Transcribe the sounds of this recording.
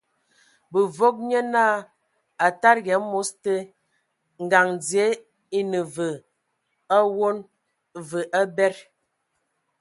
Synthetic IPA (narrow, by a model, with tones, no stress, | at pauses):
bə˨vo˦k̚ɲə˦naː˦˨ | a˨ta˦ɾɣɛ˨˦mo˨˦stə˦ | ŋ̩˨ɡa˨ŋd͡zi˨e˦ | i˦nə˨və˨ | a˦wo˦n | və˨ʔa˦bɛ˦ɾ